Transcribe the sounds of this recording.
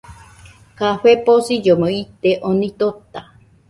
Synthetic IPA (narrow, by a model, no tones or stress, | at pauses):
kaɸeposid͡ʒoməit̪eʔonĩt̪ot̪a